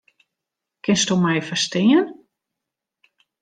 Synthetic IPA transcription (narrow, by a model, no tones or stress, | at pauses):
kɪnstumɛjfəstɪːən